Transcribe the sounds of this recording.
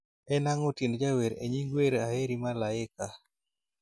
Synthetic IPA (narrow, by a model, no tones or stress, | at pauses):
ɛnaŋotend͡ʒaweɾḛɲiŋɡweɾaheɾimalaɪka